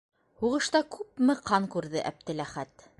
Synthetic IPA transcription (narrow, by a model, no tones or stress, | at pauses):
huʁɤ̆ʃt̪ɑkʉpmɘqʰɑŋkʉɾðɘʔæ̰p̚t̪ɘ̆læχæt̪